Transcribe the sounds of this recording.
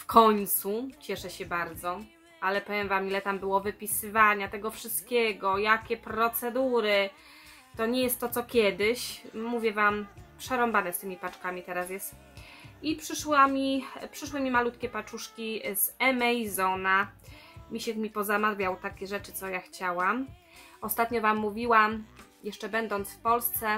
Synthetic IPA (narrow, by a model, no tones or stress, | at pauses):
fkʰɔɲt̪sut͡ɕɛʂɛɕɛbaɾd̪zɔ | alɛpɔvjɛmvamilɛt̪ambɘwɔvɘpʲisɘvaɲat̪ɛɡɔfʂɘst̪kʲɛɡɔjakʲɛpɾɔt̪sɛd̪uɾɘ | t̪ɔɲɛjɛst̪ːɔt̪sɔkʲɛd̪ɘɕmuvʲjɛvampʂɛɾɔmbanɛst̪ɘmʲipat͡ʂkamʲit̪ɛɾasjɛst̪ | ipʂɘʂwamʲipʂɘʂwɘmʲimalut̪kʲɛpat͡ʂuʂkʲizɛmɛjzɔna | mʲiɕɛkmʲipɔzamad̪bʲjawt̪akʲɛʐɛt͡ʂɘ̥t̪sɔjaxt͡ɕawam | ɔst̪at̪ɲɔvamːuvʲiwamjɛʂt͡ʂɛbɛnd̪ɔnt̪sfpɔlst̪sɛ